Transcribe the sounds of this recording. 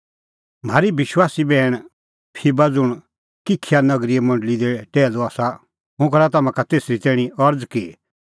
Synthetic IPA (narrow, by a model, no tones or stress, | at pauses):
m̤aːɾibɪʃwaːsibɛːɽ̃ | pʰibad͡zʊɽ̃ | kɪkʰːijanɐɡɾiemɐ̃ɳɖlid̪eʈɛːloaːsa | ɦʊ̃kɐɾat̪ɐmãkat̪eːsɾit̪ɛːɽ̃iɔɾd͡zki